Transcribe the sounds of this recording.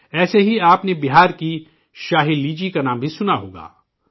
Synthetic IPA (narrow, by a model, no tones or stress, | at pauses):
ɛːseɦiaːpnebɪɦaːɾki | ʃaːɦilːiːd͡ʒikanãːmbʱisʊnaɦo̰ːɡa̰ː